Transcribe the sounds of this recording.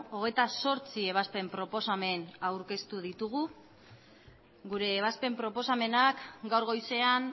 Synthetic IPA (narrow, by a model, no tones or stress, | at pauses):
o̞ɣ̞e̞jt̪aso̞ɾt͡sie̞βaspe̞mpɾo̞po̞same̞nawɾke̞st̪uð̞it̪uɣ̞u | ɡuɾe̞ːβ̞aspe̞mpɾo̞po̞same̞nakɡawɾɣo̞jse̞an